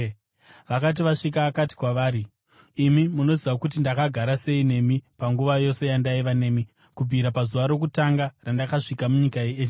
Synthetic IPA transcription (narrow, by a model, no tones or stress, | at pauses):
ʋakat̬iʋaʂik̬aːkati̥kwaʋaːɾiː | mimuno̞ziʋakut̬indakaɡʱaɾase̞ine̞mipaŋɡuʋajo̞se̞jandaiʋane̞ːmi | kub͡viɾapazuʋaɾo̞k̬utaŋɡarandakaʂikamuɲikaiet͡ʃ